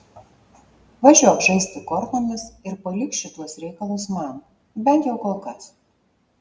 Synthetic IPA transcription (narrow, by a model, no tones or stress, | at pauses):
ʋɐʒʲuɔkʒɐɪsʲt̪ʲɪkɔɾt̪oːmʲɪsɪɾpɐlʲɪkʃʲɪt̪uɔsɾʲɛɪkɐlˠʊsmɐn | bʲɛnt̪jɛʊkoːlˠkɐs